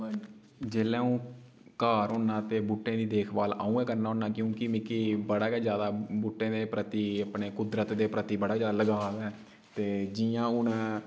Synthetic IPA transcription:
d͡ʒeːlɛ̃ːũː | kaːɾɦoːnaːt̪eːbuʈːẽːd̪iːd̪eːkʰbaːla̰ːũːɛːkəɾnaːoːnaːkjõːkɪmɪ̃kibəɽaːkːd͡ʒjaːd̪aːbuʈːẽːd̪eːpɾət̪iːəpneːkʊd̪ɾət̪d̪eːpɾət̪iːbəɽaːkd͡ʒjaːd̪aləɡaːdɛː | t̪eːd͡ʒijãːʊn

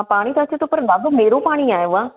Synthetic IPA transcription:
paːɽ̃iːt̪ɐt͡ʃt̪opəɾlaːɡomeːɾoːpaːɽ̃iːaːjoːaː

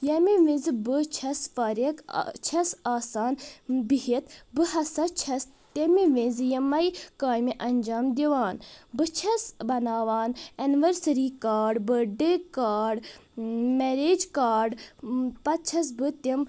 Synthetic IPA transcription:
jɐmiʋĩzbɨt͡ʃʰɐsfaɾekt͡ʃʰɐsaːsaːnbiɦit̪bɨhɐsɐt͡ʃʰɐs | t̪ɐmiʋĩnzjɐmɐjkaːjmiʔɐnd͡ʒaːmd̪iʋaːnbɨt͡ʃʰɐsbɐnaːʋaːnɐniʋəɾsɐɾikaːɖbəɖəkaːɖ | meɾeːd͡ʒkaːɖpɐt̪̚t͡ʃʰɐs̬bɨt̪im

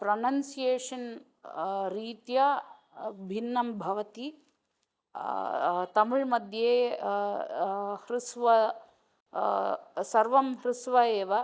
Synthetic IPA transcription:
pɾɐnɐnsijeːʂɐn | ɾiːt̪jɐ | bʱinːɐmbʱɐʋɐt̪i | t̪ɐmuɻmɐd̪ʱjeː | hɾusʋɐ | sɐɾʋɐmɦɾɪsʋɐeːʋɐ

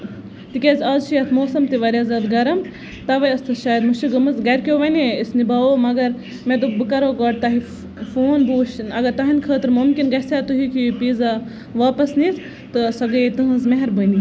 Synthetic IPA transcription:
t̪ikʲezʲaːzʃijɐt̪ʰmoːsɐmt̪iʋɐɾjɐzɐd̪ɡɐɾɐm | t̪ɐʋɐjɐst̪ʰɨʃaːjɐd̪muʃiɡɐmɨzɡɐɾkʲjoːʋɐniisnibaːʋomɐɡɐɾ | mẽd̪ubɨkɐɾoːɡɐːʈ̚t̪ɐɦi | foːnbuːʃinɐɡɐɾt̪ɐɦinkʰəːt̪ɨɾmumkʲinɡɐsaːt̪uɦikipiːza | ʋaːpɐsnit̪ | t̪ɨsɐɡɐjt̪ɨɦɐ̃zmeɦɐɾbəni

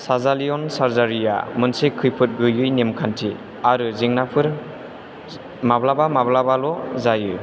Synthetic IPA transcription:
sazalijɔnsaɾzaɾija̰mɯnsekʰːɯjpʰɯt̚ɡɯjɯjnemkʰantʰi | aɾɯziŋnapʰɯɾ | mablabamablabalɔzajɯ

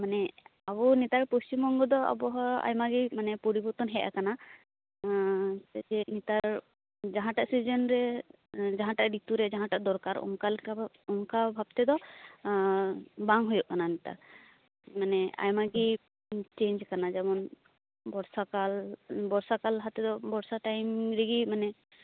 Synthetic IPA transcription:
manɛabɔnit̪aɾpost͡ʃimbɔŋɡɔd̪ɔa̰bɔɦɔa̰jmaɡimanɛpɔɾibɔɾt̪ɔnɦɛʔa̰kana | ɛd͡ʒɛnit̪aɾ | d͡ʒaɦãʈaʔsid͡ʒɔnɾɛ | d͡ʒaɦãʈaʔɖit̪uɾɛd͡ʒaɦãʈaʔd̪ɔɾkaɾɔ̰ŋkala | ɔŋkabʱab̚t̪ɛd̪ɔ | baŋɦujɔʔkananit̪a̰ɾ | manɛa̰jmaɡi | t͡ʃeɲd͡ʒkanad͡ʒɛmɔn | bɔɾsakalbɔɾsakalɦat̪ɛd̪ɔbɔɾsaʈajmɾɛɡimanɛ

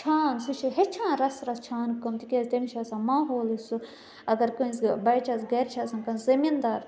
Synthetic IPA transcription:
t͡ʃʰaːnsut͡ʃʰiɦet͡ʃʰãːnɾɐsɾɐst͡ʃʰaːnkɐmt̪ikʲeːzt̪enit͡ʃʰaːsãːmãːɦoːlisu | ɐɡɐɾkɐsbɐjt͡ʃʰasɡɐɾt͡ʃʰaːsɐ̃ːnkɐnzɐmind̪aːɾ

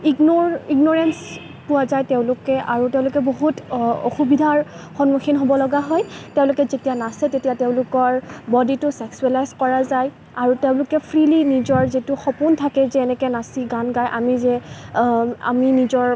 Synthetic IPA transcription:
iɡnɔiɡnɔɹɛns | puwazajteʊ̃lʊkɛʔaɹuteʊ̃lʊkɛboɦuto̰xubidʱaɹxɔnmuxinɦobɔlɔɡaɦɔjteʊ̃lʊkɛzetijanasɛtetijateʊ̃lʊkɔɹbɔditʊsɛksuɛlajzkɔɹazaj | aɹuteʊ̃lʊkɛpʰɹilinizɔɹzitʊxɔpuntʰakɛzɛːnɛkɛnasiɡanɡajʔa̰mizɛ | a̰minizɔɹ

